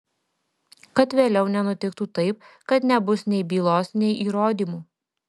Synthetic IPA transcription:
kɐt̪ʋʲeːlʲɛʊnʲɛnʊt̪ʲɪkt̪uːt̪ɐɪp̚kɐt̪nʲɛbʊsnʲɛɪbʲiːlˠoːsnʲɛɪʔiːɾoːd̪ʲiːmuː

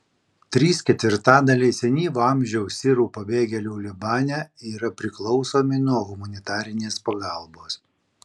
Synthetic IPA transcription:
t̪ʲɾʲiːskʲɛt̪ʲʋʲɪɾt̪ɑːd̪ɐlʲɛɪsʲɛnʲiːʋʊɐˑmʲʒʲɛʊsʲɪɾuːpɐbʲeːɡʲɛlʲuːlʲɪbɑːnʲɛiːɾɐpʲɾʲɪklˠɒʊsoːmʲɪnuɔɣʊmɐnʲɪt̪ɑːɾʲɪnʲeːspɐɡɑˑlˠboːs

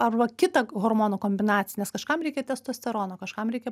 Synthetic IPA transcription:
ɐrʋɐkʲɪt̪ɐɣoːrmoːnoːkoːmʲbʲɪnɑːtt͡sʲɪjɛnʲɛskɐʃkɐmɾʲɛɪkʲɛtʲɛst̪oːsʲt̪ʲɛɾoːnoːkɐʃkɑmɾʲɛɪkʲɛ

